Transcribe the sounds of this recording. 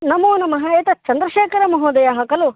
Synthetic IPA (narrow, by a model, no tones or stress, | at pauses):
nɐmoːnɐmɐɦaːet̪ɐt͡ʃɐnd̪ɾɐʃeːkɐɾɐmɐɦoːd̪ɐjɐɦɐkɐlu